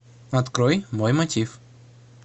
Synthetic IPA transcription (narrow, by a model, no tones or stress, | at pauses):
ɐt̪kɾojmojmɐtʲif